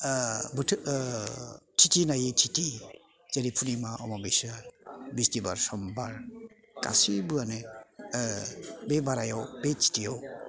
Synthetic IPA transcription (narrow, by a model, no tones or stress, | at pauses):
bɯ | tʰitinajitʰiti | z̥aɾipʰunimaʔɔ̰mɔbesɯbistiba̰ɾsɔmbaɾ | ka̰sibɯanɯ | bebaɾajɔwbet͡ʃi̥tijɔw